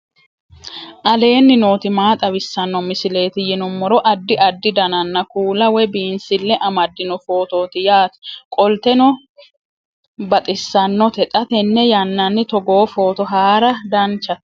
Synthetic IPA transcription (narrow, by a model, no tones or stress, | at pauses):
ʔɐle̞ːnːɪno̞ːt̪ɪmaːt̪ʼɐβɪsːɐnːɔmɪsɪle̞ːt̪ɪjɪnʊmːɔɾɔʔɐd̪ːɪʔɐd̪ːɪd̪ɐnɐnːɐkuːlɐwɛbiːnsɪlːɛʔɐmɐd̪ːɪnɔfo̞ːt̪o̞ːt̪ɪjaːt̪kʼɔlt̪ɛnɔ | bɐt̪ʼɪsːɐnːɔt̪ɛt̪ʼɐt̪ɛnːɛjɐnːɐnːɪt̪ɔɡo̞ːfo̞ːt̪ɔɦaːɾɐd̪ɐnt͡ʃːɐt̪